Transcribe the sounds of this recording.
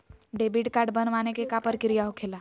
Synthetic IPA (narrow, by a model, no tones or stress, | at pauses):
ɖebiʈkaːɾɖbənʋanekekapəɾkɪɾijaɦokʰeːla